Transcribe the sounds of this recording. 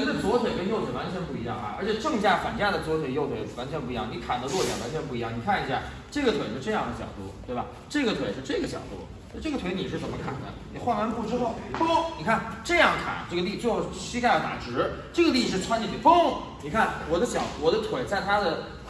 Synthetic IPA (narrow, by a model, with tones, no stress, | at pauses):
i˥d̪ə˧t͡swɔ˧˥t̪ʰwe˨˩ɪkə˥njo˥˩ʊt͡sʰwe˨˩wa˧˥nt͡ɕʰɥɛ˧˥npu˥˩i˧˥jɑ˥˩ŋɐ̰˩ə̰˞˧˥t͡ɕʰɛ˨˩ʈ͡ʂɤ˥˧ŋi˧˥ɕja˥˩fa˨˩nt͡ɕja˥˩d̪ə˩t͡swɔ˧˥t̪ʰwe˨˩ɪjo˥˩ʊt̪ʰwe˧˥˩wa˧˥nt͡ɕʰɥɛ˧˥np̬u˩˧˥jɑ˥˩ni˧˥kʰa̰˨˩nd̪ə˦lwɔ˥˩t͡ɕjɑ˨˩wa˧˥nt͡ɕʰɥɛ˧˥npu˥˩i˧˥jɑ˥˩ŋni˨˩kʰa˥˩ni˧˥ɕja˥˧˩ | ʈ͡ʂɤ˥˩ɡə˩t̪ʰwe˨˩ɪʂɻ̩˥˧ʈ͡ʂɤ˥˧jɑ˥˩ŋd̪ə˩t͡ɕjɑ̰˨˩ʊt̪ṵ˥˩t̪we˥˩ɪbɐ̰˩ | ʈ͡ʂɤ˥˩ɡə˩t̪ʰwe˨˩ɪʂɻ̩˥˧ʈ͡ʂɤ˥˩ɡə˩t͡ɕjɑ̰˨˩ʊt̪ṵ˥˩˥ | ʈ͡ʂɤ˥˩ɡə˩t̪ʰe˧˥ɪni˨˩ʂɻ̩˥˩t͡sə˨˩mə˦kʰa̰˥˩nd̪ə̰˦ni˨˩xwa˥˧nwa˥npu˥˩ʈ͡ʂɻ̩˥xo˥˩ʊfo˥ni˨˩kʰa˥˩nʈ͡ʂɤ˥˧jɑ˥˩ŋkʰa̰˨˩˦nʈ͡ʂɤ˥˩ɡə˩li˥˩˥o˥˧˩t͡ɕʰi˥kʰa˥˧ɪjt̪a̰˨˩ʈ͡ʂɻ̩˧˥ʈ͡ʂɤ˥˩ɡə˩li˥˩ʂ̬ɻ̩˥˩t͡sʰwa˥ni˥˩i˩fɤ˥ŋ | ni˨˩kʰa˥˩nwɔ˨˩d̪ə˦ɕjɑ˨˩ʊt̪wɔ˨˩d̪ə˦t̪ʰwe˨˩ɪt͡sa˥˩ɪt̪ʰa˥d̪ə˨